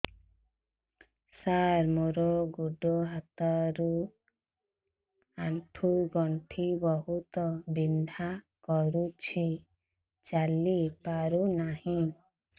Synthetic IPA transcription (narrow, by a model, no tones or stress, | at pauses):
saɾmoɾɔɡuɖɔɦat̪aɾu | aɳʈʰuɡɔɳʈʰibɔɦut̪ɔbind̪ʱa | kɔɾut͡ʃʰi | t͡ʃalipaɾunahĩ